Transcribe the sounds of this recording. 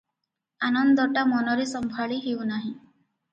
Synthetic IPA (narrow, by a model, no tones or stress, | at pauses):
anɔnd̪ɔʈamɔnɔɾesɔmbʱaɭiɦewnaɦĩ